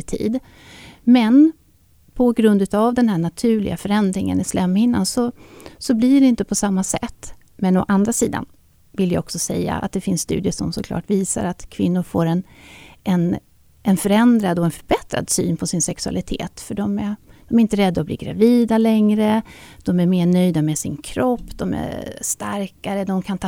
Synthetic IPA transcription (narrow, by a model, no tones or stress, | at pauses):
t̪ʰḭːd̪ | mɛn | pʰɔɡɾɵnd̪ʉ̟ːt̪avd̪ɛnhæːɳat̪ʰʉ̟ːɭɪ̰ɡafœɾɛnd̪ɾɪŋə̰nɪslɛmːɪnːansɔsɔblɪɖɛɪnt̪əpʰɔsamːasɛ̰t̪ː | mɛnɔʔand̪ɾasiːd̪a̰n | vɪljaɔksɔsɛjːa̰a̰t̪̚d̪ɛfɪnssːt̪ʉ̟ːd̪ɪəʂɔmsɔkʰlɑ̰ːʈviːsa̰ɾat̪kʰvɪnːʊɾfoːɾɛnʔɛn | ʔɛnfœɾɛnd̪ɾad̪ɔɛnfœɾbɛt̪ɾa̰d̪sy̰ːnpʰɔsɪnsɛksɵa̰lɪt̪ʰḛːt̪fœɖɔmæd̪̥ɔmæɾɪnt̪əɾɛd̪ːaɔblḭːɡɾa̰viːd̪alɛŋɾəd̪̥ɔmæɾmeːɳœjd̪amɛsɪnkʰɾɔpːd̪ɔmæ̰ʂt̪aɾkaɾəd̪ɔmkʰant̪ʰ